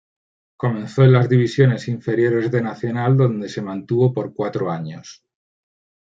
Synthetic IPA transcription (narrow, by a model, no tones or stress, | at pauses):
ko̞mẽ̞nθoelazðiβ̞isjo̞ne̞siɱfe̞ɾjo̞ɾe̞zðe̞naθjo̞nald̪o̞nd̪e̞se̞mãnt̪uβo̞po̞ɾkwat̪ɾoaɲos